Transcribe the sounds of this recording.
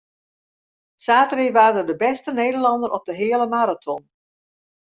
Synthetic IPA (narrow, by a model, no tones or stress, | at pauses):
saːtəriʋaːrdədəbɛstəneːdərlɑndəɾʔɔp̚dəɦɪələmaɾatʰɔn